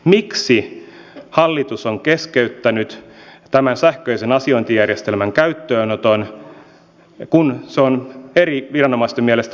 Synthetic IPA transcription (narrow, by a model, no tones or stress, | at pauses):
miksi | hɑlːit̪usoŋkeskeyt̪ːænyt̪t̪æmænsæhkøisenɑsioint̪ijærjest̪elmæŋkæyt̪ːøːnot̪on | kunseoneriʋirɑnomɑist̪emielest̪